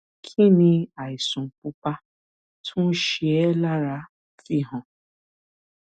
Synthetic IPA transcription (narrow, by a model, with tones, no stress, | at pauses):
kʰi˦nĩ˧a˨i˨sũ˨k͡pu˧k͡pa˦ | tʰũ˦ʃi˦ɛ˦la˦ɾa˧˦ | fi˦ɦɔ̃˨